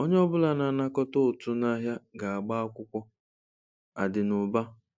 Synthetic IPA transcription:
o˦ɲe˦ɔ˦bʊ˦la˨na˨na˦kɔ˦tʊ˦ʊ˨tʊ˦na˦ɦja˦ɡa˨a˨ɡ͡ba˦a˦kʷʊ˦kʷɔ˦ | a̰˨dɪ˨nʊ˨ba˦

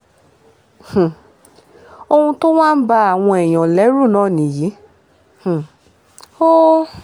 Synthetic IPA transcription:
hũ˨ | o˧hũ˧to˦w̃ã˦n̩˦ba˧a˨w̃ɔ̃˧ɛ˨j̃ɔ̃˨lɛ˨˦ɾu˦˨nãː˦˨nĩ˨ji˨˦ | hũ˨ | o˦

